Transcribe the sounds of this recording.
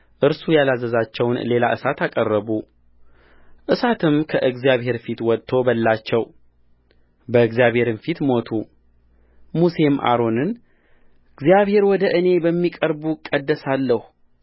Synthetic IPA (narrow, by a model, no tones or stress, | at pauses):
ʔɨɾsujalazːəzat͡ʃːɛwnle̞laʔɨsat̪akʼərːəβu | ʔɨsat̪ʰɨmkʰəʔɨɡzijaβɦe̞ɾfit̪wɔt̪ʼʰːo̞bəlːat͡ʃːɛw | bəɨɡzijaβhe̞ɾɨnfit̪mo̞t̪ʰu | muse̞mʔa̰ɾo̞nɨn | ɨɡzijaβhe̞ɾwɔd̪əʔɨne̞bəmːikʼəɾbukʼəd̪ːəsalːəhu